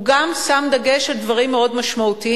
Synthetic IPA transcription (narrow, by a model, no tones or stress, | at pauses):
ɡamsamd̪ɐɡe̞ʃald̪vaʁimːeo̞dmaʃmaut̪i